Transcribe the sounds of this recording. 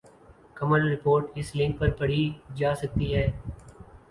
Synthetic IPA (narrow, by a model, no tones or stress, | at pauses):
kɐməlɾɪpoːɾʈɪslɪ̃ŋk̚pɐɾpɐɽid͡ʒaːsɐk̚t̪iɦɛː